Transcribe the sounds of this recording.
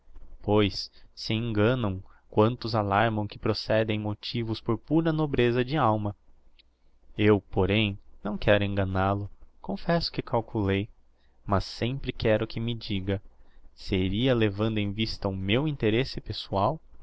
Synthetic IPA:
pojsːɪẽŋɡɐ̃nɐ̃w̃kwɐ̃nt̪ʊzalaɾmɐ̃w̃kɪpɾosɛd̪ẽj̃mot͡ʃivʊspoɾpuɾɐnobɾezɐd͡ʒɪawmɐ | ewpoɾẽj̃nɐ̃w̃kɛɾʊẽŋɡɐnalʊkõfɛsʊ̥kɪkawkulej | mɐsːẽmpɾɪkɛɾʊkʰɪmɪd͡ʒiɡɐseɾiɐlevɐ̃nd̪ʊẽvist̪ɐʊmewĩnt̪eɾesɪpesuaw

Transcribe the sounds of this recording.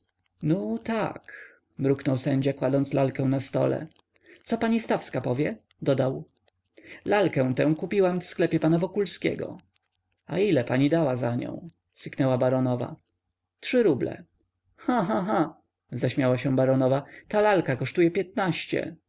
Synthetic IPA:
nut̪a̰k | mɾuknɔwsɛɲd͡ʑakwad̪ɔnslalkɛ̃w̃nast̪ɔ̰lɛ̰ | t̪sɔpaɲist̪afskapɔvʲjɛ | d̪ɔd̪aw | lalkɛ̃t̪ɛ̃w̃kupʲiwamfsklɛpʲjɛpanavɔkulskʲɛ̰ɡɔ̰ | a̰ilɛpaɲid̪awazaɲɔ̰̃w̃ | sɘknɛwabaɾɔnɔva̰ | tʂɘɾublɛ̰ | xãɦãɦã | zaɕmʲjawaɕɛ̃baɾɔnɔvat̪alalkakɔʂt̪ujɛpʲjɛt̪̚naɕt͡ɕɛ̰

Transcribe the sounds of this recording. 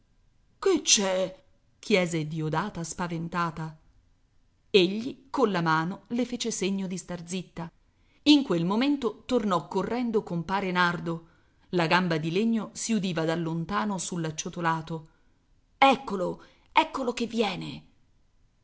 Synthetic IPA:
ket͡ʃːɛ | kʰjɛːzed̪iod̪aːt̪aspavent̪aːt̪a | eʎːikonlamaːnolefeːt͡ʃeseɲːod̪ist̪ard̪zit̪ːa | iŋkwelmoment̪ot̪ornɔkːorːɛnd̪okompaːɾenard̪o | laɡambad̪ileɲːosiud̪iːvad̪alːont̪aːnosulːat͡ʃːot̪olaːt̪o | ɛkːolo | ɛkːolokevːjɛːne

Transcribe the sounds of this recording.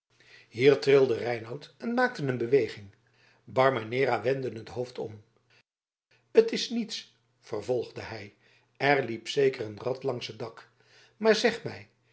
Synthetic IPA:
ɦiːɹtrɪlˠdərɛjnɑwtɛnmaːk̚tənənbəʋejχɪŋ | bɑɹmanɪːɾaʋɛndənɦətɦowftʰɔ̰m | ətɪsnits | fərvɔlˠχdəɦɛj | ɛɹlipsejkərənrɑtlɑŋsədɑk | maːɹzɛχmɛj

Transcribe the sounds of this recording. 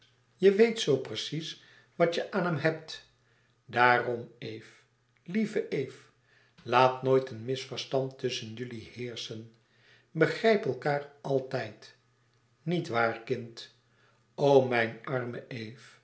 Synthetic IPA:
jəʋejtsowprəsis | ʋɑtəʔaːnɦɛmɦɛp̚t | daːrɔmejf | livəʔejf | laːtnoːjtənmɪsfəɹstɑntɵsənjɵlihɪːɹsən | bəχrɛjpɛlˠkaːrɑlˠtɛjt | nitʋaːɹkɪnt | owmɛjnɑrməʔejf

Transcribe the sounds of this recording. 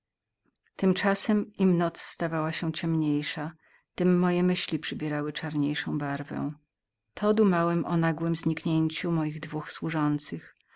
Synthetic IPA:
t̪ɘmt͡ʂasɛmimnɔt̪sːt̪avawaɕɛ̃t͡ɕɛmɲejʂa | t̪ɘmːɔjɛmɘɕlʲipʂɘbʲjɛɾawɘt͡ʂaɾɲejʂɔ̃w̃baɾvɛ̰w̃ | t̪ʰɔd̪umawɛmʔɔnaɡwɘmzɲikɲeɲt͡ɕumɔjiɣd̪vuxswuʐɔnt̪sɘx

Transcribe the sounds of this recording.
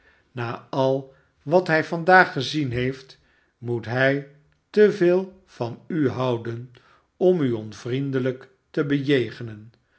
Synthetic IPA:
naːɑlˠ | ʋɑtɦɛjvɑndaːχːəzinɦejft | mutɦɛj | təvɪːlˠ | v̥ɑnyɦɑwdən | ɔmyɔnvrindələk | təbəjejχənən

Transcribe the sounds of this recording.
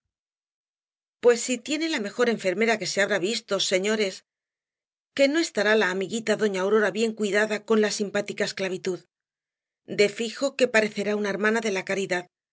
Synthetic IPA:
pwe̞sːit̪je̞ne̞lame̞xo̞ɾe̞ɱfe̞ɾme̞ɾake̞se̞aβɾaβist̪o̞se̞ɲo̞ɾe̞s | ke̞no̞e̞st̪aɾalaːmiɣit̪aðo̞ɲaːwɾo̞ɾaβje̞ŋkwiðaðako̞nlasimpat̪ikaesklaβ̞it̪uð | d̪e̞fixo̞ke̞paɾe̞θe̞ɾaunae̞ɾmãnaðe̞lakaɾiðað

